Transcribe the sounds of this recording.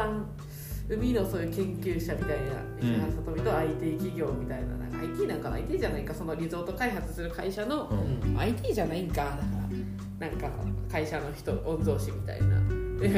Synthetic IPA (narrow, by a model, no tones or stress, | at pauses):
a | ɯ̟mʲino̞so̞ːjɯ̟ːkẽ̞ŋkʲɨːɕamʲit̪aina̰ | iɦãsot̪obʲit̪oait̪ʲiːkʲiɡʲo̞ːmʲit̪aina̰nã̰ŋkaːit̪ʲiːnãŋkaa̰it̪ʲiːʑanaiŋkaso̞noɾʲizo̞ːt̪o̞kaiɦat͡sɨ̥sɨɾɯ̟kaiɕano̞a̰it̪ʲiːʑanaĩŋkanãŋkaa | nãŋka̰kaiɕano̞çi̥t̪oʔõnd̪o̞ːɕimʲit̪a̰ḭna̰